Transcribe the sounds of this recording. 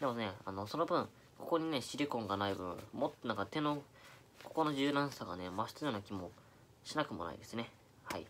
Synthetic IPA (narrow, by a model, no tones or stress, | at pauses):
d̪̥e̞mone̞a̰no̞so̞no̞bɯ̟̃ɴ | ko̞ko̞ɲ̟ine̞ɕiɾʲikõŋɡanaibɯ̟̃ɴmot̪ːonãŋkat̪e̞no̞ | ko̞ko̞no̞ʑɨːnãɰ̃saɡane̞maɕi̥t̪ɨonokʲimo̞ | ɕinakɯ̟mo̞̰na̰ḭd̪e̞sɨne̞ | haḭ